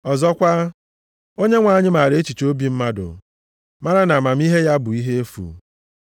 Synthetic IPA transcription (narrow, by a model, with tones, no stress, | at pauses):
ɔ˨zɔ˦kʷa˦ | o˦ɲe˦ŋʷa˨˦˨ɲɪ˦ma˨ɾe˨˦t͡ʃi˨t͡ʃo˦bi˦m̩˦ma˦dʊ̰˨ | ma˦ɾa˦na˨ma˨m̩˦i˦ɦe˦ja˦bʊ˨i˦ɦe˦e˦fṵ˨